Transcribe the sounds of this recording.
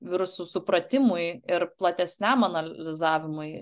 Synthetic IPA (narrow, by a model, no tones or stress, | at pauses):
ʋʲɪɾʊsuːsʊpɾɐt̪ʲɪmʊɪɪɾplˠɐt̪ʲɛsʲnʲæmɐnɐllʲɪzɑːʋʲɪmʊɪ